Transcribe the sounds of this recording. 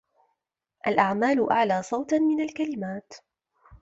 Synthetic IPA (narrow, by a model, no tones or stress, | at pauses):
ʔalʔaʕmaːlʊʔaʕlaːsˤɑwt̪mɪnalkalɪmaːt̪